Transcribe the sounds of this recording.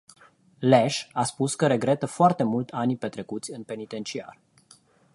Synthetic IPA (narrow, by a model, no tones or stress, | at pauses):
leʃaspuskəɾe̞ɡɾe̞t̪əfoart̪e̞mult̪ʰanipe̞t̪ɾe̞kut̪sʲɨnpe̞nit̪e̞nt͡ʃia̰r